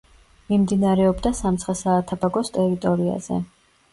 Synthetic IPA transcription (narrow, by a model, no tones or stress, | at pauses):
mimd̪inaɾɛɔbd̪asamt̪sʰχɛsaːt̪ʰabaɡɔst̪ʼɛɾit̪ʼɔɾia̰z̥ɛ̰